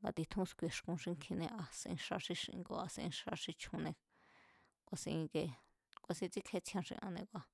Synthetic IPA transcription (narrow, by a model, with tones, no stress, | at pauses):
ŋɡa˧t̪i˧t̪ʰũ˦skʷe˧˨ʂkũ˧ʃĩ˧ŋkʰĩ˧nẽ˧ʔa˧sḭ̃˧ʂa˧ʂĩ˧ʂi˧ḭ̃˧ko̰˧˨a˧sẽ˧ḭ̃˧ʂa˧ʂi˧t͡ʃʰũ˧nẽ˧ | kʷa˧sĩ˧ke˧ | kʷa˧sĩ˧t͡si˦kʰe˧t͡sʰjã˧ʂḭ̃˧ʔã̰˧nẽ˧kʷa˧